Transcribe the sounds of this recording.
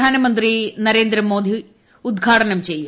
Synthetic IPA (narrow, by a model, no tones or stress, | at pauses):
aːnɐmɐnt̪rinɐɾeːnd̪ɾɐmoːd̪ʱi | ud̪ɡʱaːʈɐnɐmt͡ɕejːu